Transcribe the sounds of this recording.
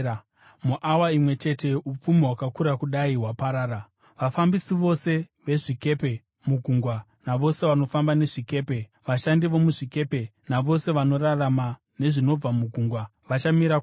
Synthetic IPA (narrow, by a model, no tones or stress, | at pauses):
muʔawaimwe̞t͡ʃe̞te̞up͡fumiɦwakakuɾakuɗaiɦwapaɾaːɾa | ʋafambisiʋo̞se̞ʋe̞ʐike̞pe̞ | muɡʱuŋɡwa | naʋo̞se̞ʋano̞fambane̞ʐike̞ːpe̞ | ʋaʃandiʋo̞muʐike̞pe̞naʋo̞se̞ʋano̞rarama | ne̞ʐino̞b͡vamuɡʱuŋɡwa | ʋat͡ʃamiɾa